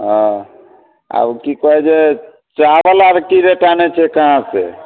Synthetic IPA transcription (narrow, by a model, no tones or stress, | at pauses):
ɦɔ̃ | a̰kikɔɦɛd͡ʒe | t͡ʃabəlaɾkiɾeʈanet͡ʃʰɛkaɦãse